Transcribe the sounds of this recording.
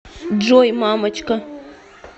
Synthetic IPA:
d͡ʒojmamat͡ʃka

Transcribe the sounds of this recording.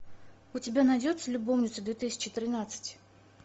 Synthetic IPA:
ʊtʲɪbʲanɐjdʲo̞t̪səlʲʊbo̞mnʲɪt̪səd̪vʲet̪ɨsʲɪ̥t͡ɕɪt̪ɾʲɪnat̪sɨ̥tʲ

